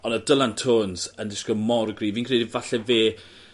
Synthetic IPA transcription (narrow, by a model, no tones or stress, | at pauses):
ɔnədəlˠantʰoːnz̥əndɪskəmɔrɡriːviːnkʰreːdivaɬɛveː